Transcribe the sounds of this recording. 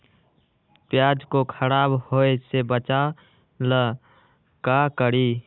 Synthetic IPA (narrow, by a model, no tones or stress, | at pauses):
pjad͡ʒkokʰəɾabhoesebət͡ʃa | lə | kakəɾi